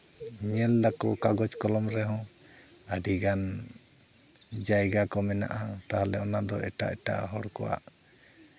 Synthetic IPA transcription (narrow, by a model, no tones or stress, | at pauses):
ɲɛlːakɔkaɡɔt͡ʃkɔlɔmɾɛɦɔ̃ | aɖiɡan | d͡ʒajɡakɔmɛna̰ʔat̪aɦalɛɔnad̪ɔɛ̰ʈa̰ʔɛʈa̰ʔɦɔɽkɔwa̰ʔ